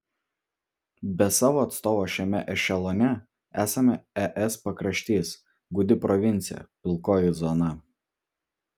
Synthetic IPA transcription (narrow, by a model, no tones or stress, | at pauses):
bʲɛsɑːʋoːɐt̪st̪oːʋoːʃʲɛmʲɛʔɛʃʲɛlˠoːnʲɛ | æːsɐmʲɛɛʔɛspɐkɾɐʃʲt̪ʲeːs | ɡʊd̪ʲɪpɾɔʋʲɪnʲt̪sʲɪjɛ̰pʲɪlˠˑkoːjɪzɔnɐ